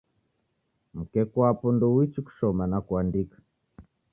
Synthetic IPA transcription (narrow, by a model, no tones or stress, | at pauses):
m̩kɛkwapɔndɔwit͡ʃiku̥ʃɔmanakwandikḁ